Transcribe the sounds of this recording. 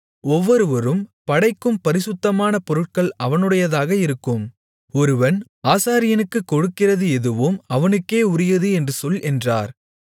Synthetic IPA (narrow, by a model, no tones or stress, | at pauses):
ɔʋːɔɾɯʋɐɾɯmpɐɽɐɪkːɯmpɐɾɪsʊt̪ːɐmaːnɐpɔɾɯʈ̚kɐɭʔɐʋɐnɯɽɐjɐðaːɣɐɪɾɯkːɯm | ɔɾɯʋɐn | aːsaːɾɪjɐnɯkːɯkːɔɻɯkːɪrɐðɯɛðɯʋɯmɐʋɐnɯkːeːʊɾɪjɐðɯɛndrɯsɔlʔɛndraːɾ